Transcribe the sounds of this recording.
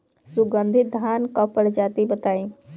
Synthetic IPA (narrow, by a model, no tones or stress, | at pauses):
suɡə̃nd̪ʱɪt̪̚d̪ʱankɔpəɽd͡ʒat̪ibət̪aĩ